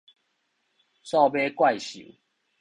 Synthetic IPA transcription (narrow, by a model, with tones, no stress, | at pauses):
sɔ˥˧be˦kwa˥˨jɕṵ˨